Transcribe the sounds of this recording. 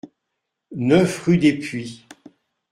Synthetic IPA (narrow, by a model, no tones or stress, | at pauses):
nœfʁyd̪epɥi